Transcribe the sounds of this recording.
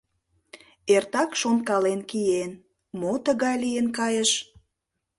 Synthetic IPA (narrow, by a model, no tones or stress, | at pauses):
ert̪ɑkʃonkɑlenkien | mot̪əɣɑjlienkɑjəʃ